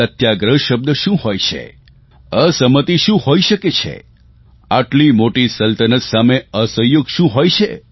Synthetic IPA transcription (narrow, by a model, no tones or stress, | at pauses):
ət̪ʰjaɡɾəɦʃəb̚d̪əʃũɦojt͡ʃʰḛ | əsəmət̪iʃũhoiʃəket͡ʃʰḛ | aʈlimoʈisəlt̪ənət̪sameəsə̃joɡʃũɦojt͡ʃʰe